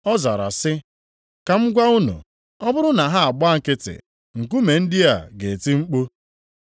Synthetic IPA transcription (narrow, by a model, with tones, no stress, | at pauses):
ɔ˦za˨ɾa̰˨sɪ˦ | ka˨ŋ͡m̩˦ɡʷa˦ʊ˦nṵ˨ | ɔ˦bʊ˦ɾʊ˦na˨ɦa˦a˨ɡ͡ba˦ŋ̩˨kɪ˦tɪ̰˨ | ŋ̩˨k̬u˦me˨n̩˦dɪ˦a˨ɡe˨ti˦ŋ͡m̩˦k͡po˦